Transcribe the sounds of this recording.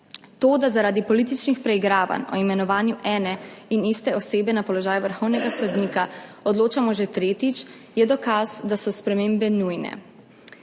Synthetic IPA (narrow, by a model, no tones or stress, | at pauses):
t̪oːd̪azaɾaːd̪ipɔlit̪it͡ʃnixpɾɛiɡɾaːʋa̰nɔ̰imɛnɔʋaːnjuʔɛːnɛinist̪ɛɔseːbɛnapɔlɔʒaːjuʋəɾxɔwnɛɡasɔd̪niːkaɔd̪loːt͡ʃamɔʒɛt̪ɾeːt̪it͡ʃ | jɛd̪ɔkazd̪asɔspɾɛmembɛnujnɛ̰